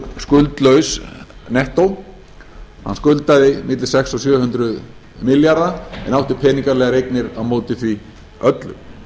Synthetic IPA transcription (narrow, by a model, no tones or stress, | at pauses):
skʏlt̪lœɥsnɛht̪ow | hanːskʏlt̪aðɪmɪt̪lɪ̥sɛksɔsjœːhʏnt̪ɾʏð | mɪljaɾðaɛ̰nawht̪ɪpʰɛːniŋkaɾlɛːɣaɾejknɪɾaðmoːwt̪ɪθvi | œt̪lʏ̰m